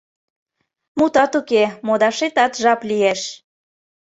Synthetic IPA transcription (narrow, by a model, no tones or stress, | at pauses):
mut̪ɑt̪ukemod̪ɑʃet̪ɑt̪ʒɑplieʃ